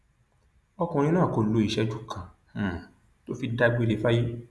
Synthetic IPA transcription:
ɔ˧kũ˧ɾ̃ĩ˧nãː˦˨ko˧lo˨˧˦i˨ʃɛ˦d͡ʒu˦˨kʰã˨ | to˦fi˧da˧ɡ͡be˧le˧˦fa˦ji˦

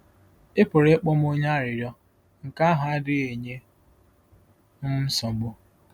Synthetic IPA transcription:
ɪ˦pʊ˨ɾe˦k͡pɔ˦m˦o˦ɲa˦ɾɪ˨ɾjɔ˦ | ŋ̩˨ka˦ɦa˦a˦dɪ˦e˨ɲe˦ | m̩˦m̩˦sɔ˨ɡ͡bo˦

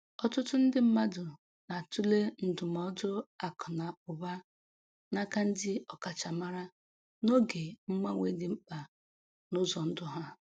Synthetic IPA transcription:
ɔ˦tʊ˦tʊ˦n̩˦dɪ˦m̩˦ma˦dʊ˨ | na˨tu˦le˦n̩˨dʊ˨mɔ˦dʊ˦a˨kʰɔ˨na˨ʊ˨ba˦ | na˦ka˦n̩˦dɪ˦ɔ˨ka˨t͡ʃa˨ma˦ɾa˦ | no˦ɡe˨ŋ͡m̩˦ma˦ŋʷe˨˦dɪ˨m̩˦k͡pa˨ | nʊ˦zɔ˨n̩˦dʊ˦ɦa˦

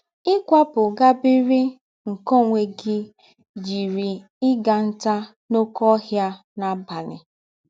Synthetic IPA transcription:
ɪ˦kʷa˦pʊ˨ɡa˦bi˦ɾi˦ | ŋ̩˨ko˦ŋʷe˨ɡɪ˦ | d͡ʒi˨ɾi˨ | ɪ˦ɡa˨n̩˦ta˦ | no˦kɔ˦ɦja˦ | na˦ba˨nɪ˨

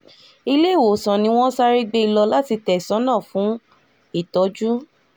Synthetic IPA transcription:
i˧le˦˨wo˨sɔ̃˨nĩ˧˦w̃ɔ̃˦sa˦ɾi˧ɡ͡be˧i˧lɔ˧la˦ti˧tɛ˨sɔ̃˨˦nãː˦˨fũ˨˦ | i˦˨tɔ˨˦d͡ʒu˦

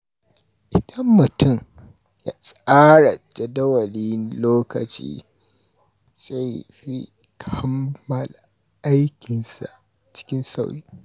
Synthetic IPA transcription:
ʔɪ˨d̥ɐ˦mːʊ˨tʊ˦ŋ | ja˦sʼaː˦ɽa˨d͡ʒɐ˨dɐ˦wɐ˨li˦nloː˦kɐ̰˨t͡ʃḭː˦ | sa˦˨jɸi˦ | kʰa˦mːɐ˨l | ʔa˦jkʲɪ˨nsa̰˨ʔ | t͡ʃɪ̥˦kʲɪ˦nsa˦˨wi˦

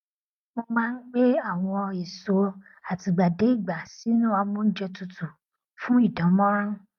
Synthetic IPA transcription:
mõ˧mãː˦n̩˦k͡pe˦a˨w̃ɔ̃˧i˨so˧ | a˨ti˨ɡ͡ba˨de˨˦i˦˨ɡ͡ba˨si˦nũ˦a˧mũ˦n̩˦d͡ʒe˧tu˧tu˨ | fũ˦i˦˨dɔ̃˨˦mɔ̃˦ɾã˦

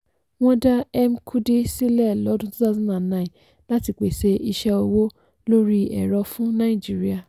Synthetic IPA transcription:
w̃ɔ̃˦da˦ɛ˦m˦kʰu˦di˦si˦lɛ˦˨lɔ˨˦dũ˦tũ˦ta˦˨zũ˦nã˨nã˦˨ĩ˨ | la˦ti˧k͡pe˨se˧˦i˧ʃɛ˧o˧wo˦ | lo˦ɾi˦ɛ̰˨ɾɔ˧fũ˦nã˦ĩ˦˨d͡ʒi˦ɾi˦a˨

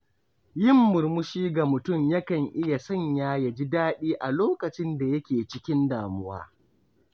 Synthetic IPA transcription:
jɪ˦˨mːʊ˨rmʊ˦ʃiː˦ɡa˨mʊ˨tʊ˦˨mjɐ˦kɐ˨ŋʔɪ˦ja˨sɐ˦ɲjaː˦ja˨d͡ʒi˦daː˦ɗiː˦ʔa˨loː˦kɐ˨t͡ʃɪ˦nda˨jɐ˦kʲeː˨t͡ʃɪ˦kʲɪ˦ndaː˨mʊ˦wa̰ː˦

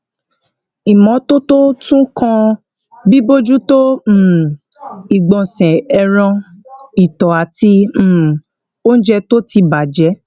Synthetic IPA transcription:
i˨mɔ̃˨˦to˦to˦tũ˦kʰã˧ | bi˦bo˦d͡ʒu˦tõ˦˨ | i˨ɡ͡bɔ̃˨sɛ̃˨ɛ˧ɾ̃ã˧ | i˨tɔ˨a˨tĩ˧˦˨ | o˦n̩˦d͡ʒɛ˧to˦ti˧ba˨d͡ʒɛ˨˦

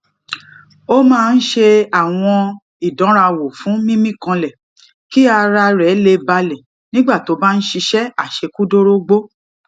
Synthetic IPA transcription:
o˦mãː˦˧n̩˦ʃe˧a˨w̃ɔ̃˧ | i˨dɔ̃˨˦ɾa˧wo˨fũ˨˦mĩ˦mĩ˦˨kã˧lɛ˨ | ki˦a˧ɾa˧ɾɛ˨˦le˧ba˧lɛ˨ | nĩ˦ɡ͡ba˦˨to˨˦ba˦n̩˦ʃi˧ʃɛ˦a˦˨ʃe˧ku˦do˦ɾo˦ɡ͡bo˦

